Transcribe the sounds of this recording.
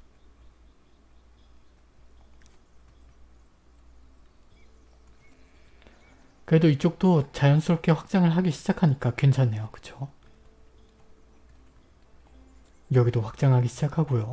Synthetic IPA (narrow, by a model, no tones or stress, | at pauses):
kɯɾe̞doit͡ɕ͈ok̚t͈ot͡ɕajʌnsʰuɾop̚k͈ʰe̞ɸwak̚t͡ɕ͈aŋɯɭɦaɡiɕʰid͡ʑakʰaɲik͈akɥent͡ɕʰanːe̞jokɯ̥t͡ɕʰo̥ | jʌɡidoɸwak̚t͡ɕ͈aŋɦaɡiɕʰid͡ʑakʰaɡojo